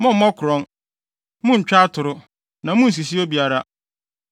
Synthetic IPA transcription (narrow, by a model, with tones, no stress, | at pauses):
mɔ̃˦m̩˦mɔ̃˦kʰʊ˨ɾɔ̃˦n | mũ˦ɲ̩˨t͡ɕᶣa˦tʰʊ˨ɾʊ˦ | nã˨mũ˦n̩˨s̬i˨s̬i˦o˦bi˨a˨ɾa˦